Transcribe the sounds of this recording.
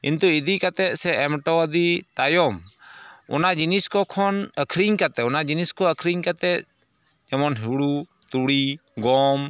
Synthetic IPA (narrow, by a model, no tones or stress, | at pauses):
ḭnt̪uid̪ikat̪ɛʔsɛɛmʈɔd̪it̪ajɔm | ʊ̰nad͡ʒiniskɔkʰɔnəkʰɾiɲkat̪ɛɔnad͡ʒiniskɔəkʰɾiɲkat̪ɛ | ɛmɔnɦiɽu | t̪uɽiɡɔm